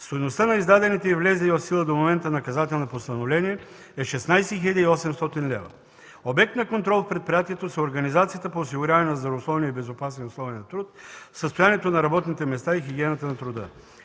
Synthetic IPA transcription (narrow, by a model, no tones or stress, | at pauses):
st̪ojnost̪ənɐizd̪ad̪ɛnit̪ɛivlɛzɛiot̪silˠəd̪omomɛnt̪ənɐkɐzat̪ɛlˠnopost̪ɐnovlɛniɛ | ɛʃɛsnajsɛxilʲəd̪ʲiɔsɛmst̪ɔt̪inlʲɛ̰vɐ̰ | obɛk̚t̪nɐkont̪ɾɔlˠfpɾɛt̪̚pɾʲijat̪iɛt̪osɛoɾɡɐnizat̪sijət̪əpoːs̬iɡʊɾʲjavnɐzd̪ɾɐvoslˠɔvniəibɛzopasnɛnoslˠɔvɛnɐt̪ɾut̪səst̪ojanɛt̪onɐɾɐbɔt̪nit̪ɛmɛst̪aixiɡʲiɛnət̪ənɐt̪ɾʊd̪ə